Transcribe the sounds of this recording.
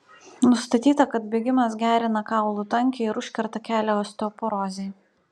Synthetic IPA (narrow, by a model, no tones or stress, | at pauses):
nʊst̪ɐt̪ʲiːt̪ɐkɐt̪̚bʲeːɡʲɪmɐsɡʲæːɾʲɪnɐkɑˑʊlˠut̪ɐŋʲkʲeɪɾʊʃʲkʲɛɾt̪ɐkʲæːlʲoɐst̪ʲoːpoɾoːzʲeː